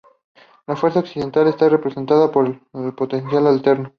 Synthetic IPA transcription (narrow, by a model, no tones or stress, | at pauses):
lafwe̞ɾsaoksiðe̞nt̪ale̞st̪are̞pɾese̞nt̪aðapo̞ɾellpo̞t̪e̞nsjalalt̪eɾno